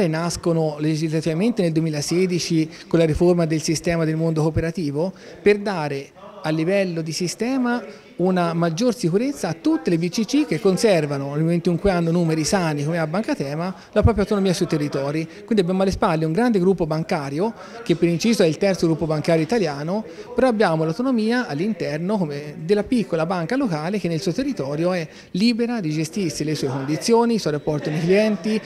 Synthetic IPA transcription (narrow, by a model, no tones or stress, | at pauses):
ɾenaskonoled͡ʒizlat̪ivament̪eneld̪uemiːlasɛːd̪it͡ʃi | konlaɾiformad̪elsist̪ɛːmad̪elmond̪okopeɾat̪iːvo | perd̪aːɾe | alːivɛlːod̪isist̪ɛːma | unamad͡ʒːorsikuɾet̪sːaːt̪ːut̪ːelebit͡ʃːit͡ʃik̟ːekːonsɛrvanonelment̪uŋkweanːonuːmeɾisaːnikomeabːaŋkat̪ɛːma | lapɾɔːp̬jawt̪onomiːasuit̪erːit̪ɔːɾikwind̪iabjamoalːespalːeuŋɡɾand̪eɡɾupːobaŋkaːɾjo | k̟epːeɾint͡ʃiːzoɛilt̪ɛrt̪soɡɾupːobaŋkaːɾjoit̪aljaːnopeɾɔabːjaːmolawt̪onomiːaalːint̪ɛrnokomed̪elːapikːolabaŋkalokaːlek̟enːelsuːot̪erːit̪ɔːɾjoɛ | lːiːbeɾad̪id͡ʒest̪irsilesuːekond̪it̪sːjoːnisɔjɾapːɔrt̪ionekliɛnt̪i